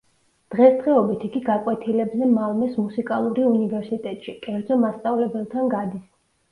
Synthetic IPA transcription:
d̪̥ʁɛsd̪ʁɛɔbit̪ʰiɡiɡakʼwɛt̪ʰilɛbzɛmalˠmɛsmusikʼalˠuɾiunivɛɾsit̪ʼɛt̪ʼʃikʼɛɾd̪zɔmast̪sʼavlɛbɛlˠt̪ʰanɡad̪is

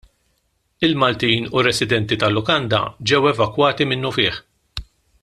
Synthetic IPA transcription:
ɪlmɐlt̪iːnuɾɛsɪd̪ɛnt̪it̪ɐlːʊkɐnd̪ɐ̰d͡ʒɛwɛvɐkwɐːt̪imɪnːʊfɪːħ

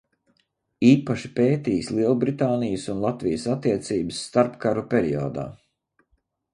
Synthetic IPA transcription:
iːpaʃi̥peːt̪iːjslˠiɛlˠbɾit̪aːnijəsunlˠat̪vijəsat̪ːiɛt̪siːbəsːt̪aɾpkaɾupʲeɾio̰ːd̪a̰ː

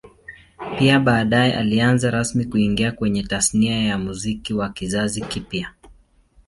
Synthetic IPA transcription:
piaɓaːɗajɛʔa̰lianzaɾasmikuiŋɡiakwɛɲɛtasniajamuzikiwakizazikipja

